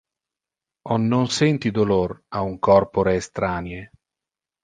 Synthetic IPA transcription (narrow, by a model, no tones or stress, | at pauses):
ɔnːonsɛnt̪id̪olorauŋkɔrpoɾeːst̪ɾaːnje